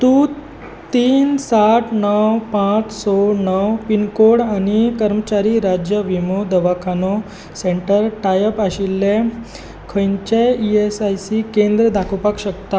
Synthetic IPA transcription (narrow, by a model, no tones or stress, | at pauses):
t̪u | t̪iːnsaʈʰnəwpãt͡ssonəwpinkoɽañikəɾmət͡ɕaɾiɾad͡ʑjəʋimod̪əʋakʰano | seɳʈəɾʈajəpaɕilːe | kʰəjɲt͡ɕeiesajsikend̪ɾəd̪ʱakʰopakɕəkt̪a